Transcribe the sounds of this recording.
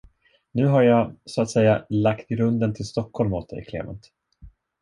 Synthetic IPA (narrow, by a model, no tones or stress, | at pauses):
nʉ̟ːɦaɾjasʊat̪sɛjːalakt̪ɾɵnd̪ənt̪ʰɪlst̪ɔkʰːhɔlmuːt̪̚d̪ɛ̰jkʰlḛːmə̰nt̪